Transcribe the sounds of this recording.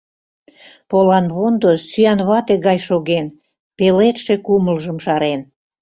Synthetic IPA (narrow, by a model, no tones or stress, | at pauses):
polɑnβond̪osyɑnβɑt̪eɣɑjʃoɣen | pelet̪ʃekuməlʒəmʃɑɾen